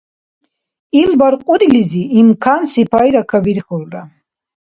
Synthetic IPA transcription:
ilbaɾqʼuɾiliziːmkʰansipʰajɾakʰabiɾχɔlɾa

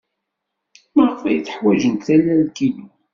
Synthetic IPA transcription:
məʁəfæjθə̥ħwæʒənt̪θælælkili

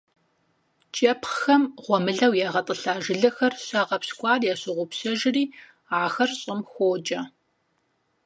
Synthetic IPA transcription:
t͡ʃʼɐpχxɐmʁʷɔmɨɮɐwjaːʁɐtʼəɬaːʒɪɮɐxɐrɕɐʁɐpskʷʼɑːrjaːɕɪʁʷʊpsɐʒɪriː | aːxɐrɕʼɪmxʷoːd͡ʒʼɐ

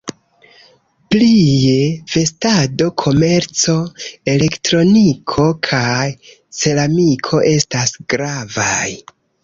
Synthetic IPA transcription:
plie̞v̥e̞stado̞kʰo̞me̞ɾt͡so̞e̞le̞ktɾo̞nikʰo̞kʰaj | se̞lamikʰo̞ʔe̞stasɡ̥ɾavaj

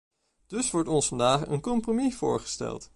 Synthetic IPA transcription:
d̥ɵsʋɔɹtɔnsfɑndaːχə̰nkɔmpromiv̥ʊ̰ːɹχə̥stɛ̰lˠt

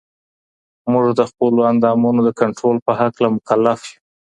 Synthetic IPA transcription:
muʐd̪əxpəloand̪ɑmunod̪əkaɳʈɾolpəhaklamʊkalːafju

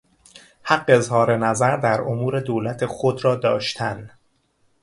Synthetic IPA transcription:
hæɢːeezhɒːɾe̞næzæɾd̪æɾomuːɾe̞d̪oːlæt̪ʰe̞xod̪ɾɒːd̪ɒːʃt̪ʰæn

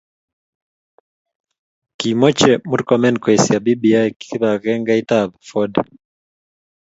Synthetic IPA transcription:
kimɔt͡ʃɛmuɾkamɛnkwɛsiabibiaɛki̥θiβaɣɛŋɡaitabafɔda

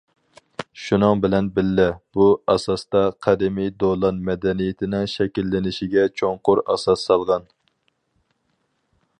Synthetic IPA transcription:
ʃunɨŋbɪlɛnbɪlːɪb̥uɑsɑst̪ɑqʰɛd̪ɪmijd̪olˠɑnmɛd̪ɛnijɪt̪ʰɪnɪŋʃɛkʲilːɪnɪʃɪɡʲɛt͡ʃʰoŋqʊɾɑ̰sɑsːɑlˠʁɑn

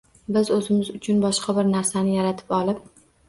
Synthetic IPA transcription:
bɪzɵzɪmɪzʊt͡ʃʰʊnbɒʃqɑbɪɾnaɾsanɪjaɾat̪ʰɪ̥pɒlˠɪp̚

